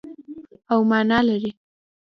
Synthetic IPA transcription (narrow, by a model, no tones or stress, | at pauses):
awmɑnɑlaɾi